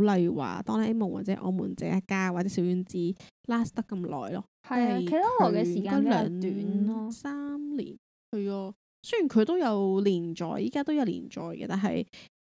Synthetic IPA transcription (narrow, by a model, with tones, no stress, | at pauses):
lɐ˧jwa̰ː˨˩t̪ɔː˥ŋlɐ˨˩ʔe˥mɐ˨˩wa̰ː˨t̚t͡sɛː˨˥ʔɔ̰ː˨˧mṵː˨˩nt͡sɛ̰ː˨˥a˥kːaː˥waː˨t͡sɛː˨˥si˨˥wjyː˨˧nt͡siː˥ | laː˥st̪ɐ˥kːɐ˧mlɔ̰ː˨˩jlɔː˥ | ɐ˨a˥˨jkʰe˨˩a˥lɔ˨˩kɛ˧siː˨kakːaː˥lœː˨˧ŋt̪yː˨˦nɔː˦˥saː˥mlḭː˨˩n | hɐ˨jɔː˧ | sɵ˥ɥjy˨˩nkʰɵ˨˧t̪o˥wjɐ˨˧wliː˨˩nt͡ʃɔ̰ː˨jʔiː˨˥kaː˥t̪o˥wjɐ˨˧wlḭː˨˩nt͡ʃɔ̰ː˨jkɛ̰˧t̪aː˨nɦɐ̰˨j